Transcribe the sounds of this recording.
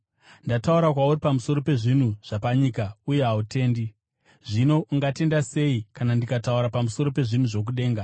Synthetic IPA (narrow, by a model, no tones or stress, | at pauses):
ndatauɾakwauripamusoɾo̞pe̞ʐin̤uʐ̥apaɲikauje̞ɦaute̞ːndi | ʐino̞ʔuŋɡate̞ndase̞ikanandikatauɾapamuso̞ɾo̞pe̞ʐin̤uʐo̞k̬uɗe̞ːŋɡa